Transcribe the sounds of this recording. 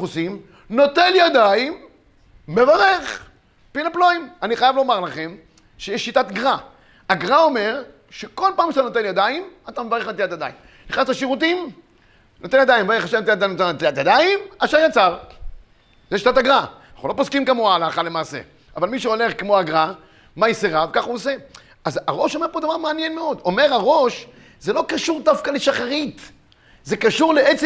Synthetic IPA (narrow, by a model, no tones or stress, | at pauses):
usim | no̞t̪enjad̪aimː | evaʁeχ | pilaploimaniχajavleomaʁlaχe̞m | ʃejeʃːit̪at̪ɡʁa | aɡʁao̞me̞ʁ | ʃeko̞lpaːmkʃat̪anot̪enjad̪aimat̪amevaʁeχnat̪iat̪jad̪a̰im | niχnast̪aʃiʁut̪̬im | no̞t̪enjad̪ajmevaʁeχaʃet̪eat̪anot̪enat̪iat̪jad̪aimaʃaʁjat͡saʁ | zeʃt̪at̪aɡʁaanaχnulo̞poskimkamoaːlaχalemaːse̞̰ | avalmiʃeo̞le̞χkemoaɡʁa | majiseʁavkaχuose̞ | azaʁo̞ʃo̞me̞po̞d̪avaʁmeanjenmeo̞d̪o̞me̞ʁaʁo̞ʃ | zelo̞kaʃuʁd̪afkaleʃaχaʁit̪ | zekaʃuʁleet͡s